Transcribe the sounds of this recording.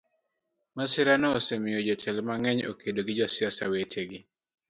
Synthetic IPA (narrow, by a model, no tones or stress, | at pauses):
masɪɾanɔːsemɪjod͡ʒɔt͡ʃɛlmaŋɛɲo̰kʰedoɡɪd͡ʒɔsɪasa̰weteɡɪ